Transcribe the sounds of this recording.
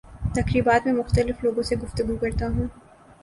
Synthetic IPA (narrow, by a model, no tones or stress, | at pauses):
t̪ɐkɾiːbaːt̪mẽmʊxt̪əlɪfloːɡõseɡʊft̪əɡukɐɾt̪aɦũː